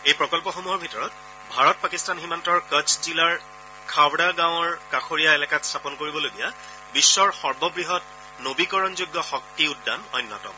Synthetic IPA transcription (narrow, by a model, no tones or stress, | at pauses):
ejpɹɔkɔlpɔxomuɦɔɹbʱitɔɹɔt̚ | bʱaɹɔt̚pakistanximantɔɹkət͡ʃʰzilaɹ | kʰawdaɡãw̃ɔɹkaxoɹijaelɛkatstʰapɔnkoɹibɔloɡija | bisːɔɹxɔɹbɔbɹiɦɔt̚ | nobikɔɹɔnzuɡːɔxɔk̚tiʊdːa̰nɔjnːɔ̰tɔ̰m